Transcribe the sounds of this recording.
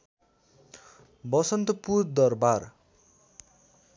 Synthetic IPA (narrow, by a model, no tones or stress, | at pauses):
bʌsʌnt̪ʌpuɾd̪ʌrbar